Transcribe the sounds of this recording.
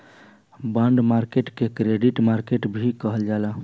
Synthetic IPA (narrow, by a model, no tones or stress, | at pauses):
bãɳɖmaɾkeʈkekɾeɖiʈmaɾkeʈbʱikəɦəld͡ʒala